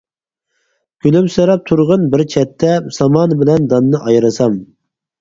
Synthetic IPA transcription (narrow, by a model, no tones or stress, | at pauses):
ɡ̥ʲylymsɨɾɑp̚t̪ʰuɾʁənbɪɾt͡ʃʰɛt̪ʰːɛsɑmɑnbɪlɛnd̪ɑnːɨʔɑjɾɨsɑm